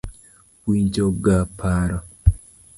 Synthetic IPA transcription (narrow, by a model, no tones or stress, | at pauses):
wiɲd͡ʒɔɡapʰaɾɔ